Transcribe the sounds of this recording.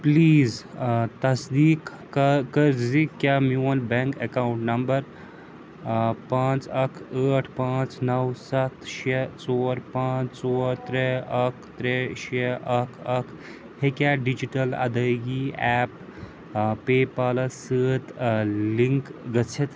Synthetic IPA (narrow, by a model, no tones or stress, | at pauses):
pliːzt̪ɐsd̪iːk | kəɾd͡zikkːjamiwɐnbɛ̃ŋkekawɳʈnɐmbəɾ | pãt͡sɐkʰəʈʰpãt͡snɐwsɐt̪ʃet͡soːɾpãːt͡st͡soːɾt̪ɾeɐkʰt̪ɾeʃeʔɐkʰɐkʰ | hekʲaɖid͡ʑiʈɐlɐ̰d̪əɡiɛp̚ | pːepaːlɐsəːt̪liŋkɡɐt͡sʰet̪